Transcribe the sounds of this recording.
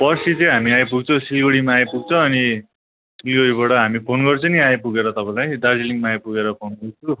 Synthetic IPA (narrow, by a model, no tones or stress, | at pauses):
pʌsit͡sʌĩɦamiajpuɡt͡sʰʌwsilɡoɽimaːjpuɡ̚t͡sʰʌʌni | silɡoɽibʌʈʌɦamipʰonɡʌrt͡sʌniajpuɡeɾʌt̪ʌpãlajd̪ard͡ziliŋmaːjpuɡeɾʌpʰonuɡt͡sʰu